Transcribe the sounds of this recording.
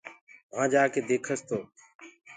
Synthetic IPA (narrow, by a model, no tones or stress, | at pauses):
mãːd͡ʒaːkeːd̪eːkʰəst̪ʰoː